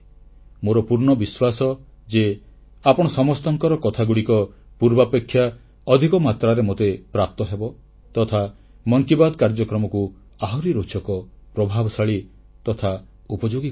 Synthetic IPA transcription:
moɾɔpuɾɳɔbiswasɔ | d͡ʒe | apɔɽ̃ɔsɔmɔst̪ɔŋkɔɾɔkɔt̪ʰaɡuɽikɔ | puɾbapekʰːja | ɔd̪ʱikɔmat̪ɾaɾemot̪epɾap̚t̪ɔɦebɔ | t̪ɔt̪ʰa | mɔŋkibad̪ɔkaɾd͡ʒɔkɾɔmɔku | aɦɔɾiɾot͡ʃɔkɔpɾɔbʱabɔsaɭi | t̪ɔt̪ʰa | upɔd͡ʒoɡi

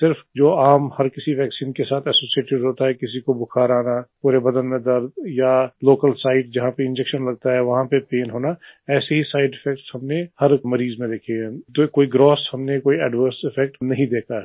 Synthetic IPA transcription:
sɪɾfd͡ʒoːaːmhɐɾkɪsiʋɛːksiːnkesaːt̪ʰɛːsoːsieːʈɪɖɦoːt̪aɦɛkɪsikobʊkʰaːɾaːnapuːɾebɐd̪ənmẽd̪əɾd̪jaloːkəlsaːɪʈd͡ʒɐɦãpeɪ̃nd͡ʒɛkʃənlɐɡ̚t̪aɦɛʋɐɦãpepeːnɦoːnaɛːseɦisaːɪɖɪfʰɛk̚ʈshɐmnehɐɾmɐɾiːzmẽd̪eːkʰeɛ̃t̪okoːiɡɾɔːshɐmnekoːiɛːɖʋəɾsɪfʰɛk̚ʈnɐɦĩd̪eːkʰaɦɛ

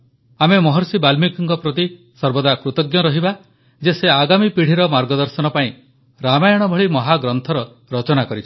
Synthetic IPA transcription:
amemɔɦɔɾsibalmikiŋkɔpɾɔt̪i | sɔɾbɔd̪akɾut̪ɔɡjɔɾɔɦiba | d͡ʒeseaɡamipiɽ̤iɾɔmaɾɡɔd̪ɔɾsɔnɔpaĩ | ɾamajɔɽ̃ɔbʱɔɭimɔɦaɡɾɔnt̪ʰɔɾɔ | ɾɔt͡ʃɔnakɔɾit͡ʃʰi

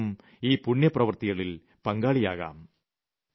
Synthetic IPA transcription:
m | iːpuɳjɐprɐʋɐrt̪iɣɐɭil | pɐŋɡaːɭijaːɣa̰ːm

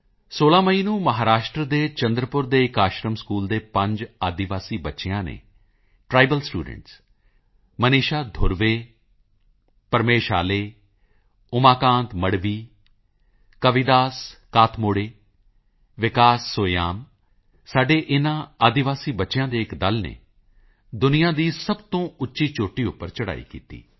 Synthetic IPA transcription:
soːlãːməiːnũːməɦaːɾaːʃʈɾəd̪eːt͡ʃənd̪ɾəpʊɾd̪eːɪkaːʃɾəmskuːld̪eːpə̃ɲd͡ʒaːd̪ɪʋaːsiːbətːʃejãːnḛː | ʈɾaːibəlsʈṵːɖə̰̃ɳʈs | məniːʃaːd̪ʱʊɾʋeː | pəɾmeːʃa̰ːleː | ʊmaːkãːnt̪məɽʋiː | kəʋɪd̪aːskaːt̪ʰmoːɽeː | ʋɪkaːsːoːjaːm | saːɖeːʔɪnãːaːd̪ɪʋaːsiːbətːʃjãːd̪eːɪkd̪əlnḛː | d̪ʊnɪjãːd̪iːsəbt̪õːʊtːʃiːt͡ʃoːʈːiːʊpːəɾt͡ʃəɽa̰ːḭːkḭːt̪ḭː

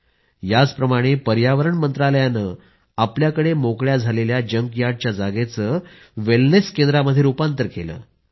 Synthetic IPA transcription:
jat͡spɾəmaɽ̃epəɾjaʋəɾəɳmənt̪ɾaləjanəː | apljakəɽemokɭjad͡zʱaleljad͡ʑəŋɡjaɽ̚t͡ɕjad͡zaɡet͡səː | ʋelneskend̪ɾaməd̪ʱːjeupant̪əɾkʰelə̰ː

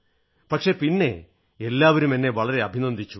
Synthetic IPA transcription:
pɐkʂe̞pinːe̞̰ | elːaːʋɐɾumenːe̞ʋɐɭɐɾe̞ɐbʱinɐnd̪it͡ɕːu

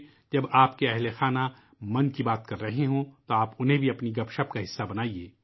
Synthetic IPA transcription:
d͡ʒɐbaːpkeɛɦlexaːna | mɐ̃nkibaːt̪kɐɾːɐɦeɦõt̪oaːpʊnɦẽbʱiɐpniɡɐpʃɐpkaɦɪsːabɐnaːieː

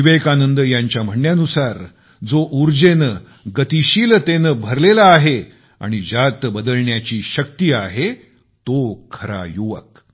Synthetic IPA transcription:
iʋekanənd̪əjaɲt͡ɕjam̤əɳjanusaɾ | d͡zoʔuɾd͡ʑenə | ɡət̪iɕiːlt̪enəbʱəɾlelaːɦe | a̰ɽ̃id͡ʑat̪əbəd̪əlɳjat͡ɕiːɕək̚t̪iːaɦe | t̪okʰəɾa̰juʋə̰k̚

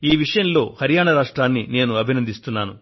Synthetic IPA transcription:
iːʋiʂɐjɐnlo̞ːhɐɾijaːɳɐɾaːʂʈɾaːnːine̞ːnuɐbʱinɐnd̪ist̪unːaːnu

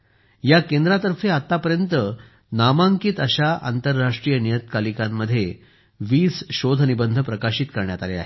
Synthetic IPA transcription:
jakend̪ɾat̪əɾfeat̪ːapəɾjənt̪ə | namaŋkiːt̪əɕaʔa̰nt̪əɾːaʂʈɾiːjənijət̪kalikamːəd̪ʱːje | ʋiːsɕod̪ʱənibənd̪ʱəpɾəkaɕiːt̪kəɾɳjat̪alea̰ɦe

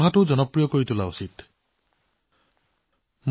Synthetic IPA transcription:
ɦatʊzɔnɔpɹijɔkoɹitulausit | m

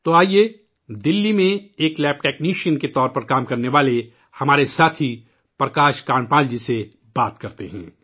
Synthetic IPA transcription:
t̪oaːieː | d̪ɪlːimẽeːklɛːp̚ʈɛːkniːʃiənket̪ɔːɾpɐɾkaːmkɐɾneʋaːle | hɐmaːɾesaːt̪ʰi | pɾɐkaːʃkaːɳpãːld͡ʒise | baːt̪kɐɾt̪eɦɛ̰̃ː

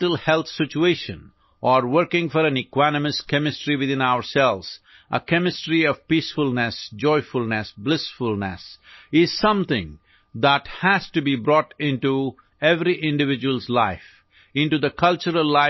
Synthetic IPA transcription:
ʈəlhɛlt̪sɪt͡ʃueʃə̰̃n | ʔɔɾwəɾkɪ̃ŋfɔɾæ̃nɪkwanəməskɛmɪsʈɾiwɪðɪ̃naʊəɾsɛlʋz̥ | ʔə̰kɛmɪsʈɾiɔvpisfʊlnɛsd͡ʒɔɪfʊlnɛsblɪsfʊlnɛ̰sɪz̥sʌ̃mt̪ɪ̰̃ŋ | d̪æʈhæzʈubibɾɔːʈɪ̃nʈu | ɛvɾiʔɪ̃ɳɖɨvɪd͡ʒwəlzlaɪf | ɪ̃nʈud̪əkʰʌlt͡ʃəɾəlːaɪ

